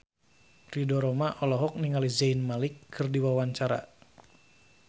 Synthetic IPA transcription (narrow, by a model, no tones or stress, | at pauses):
ridɔɾɔmaʔɔlɔɦɔk̚niŋalizainmalɪkʰːɨrdiwawaɲt͡ʃaɾa̰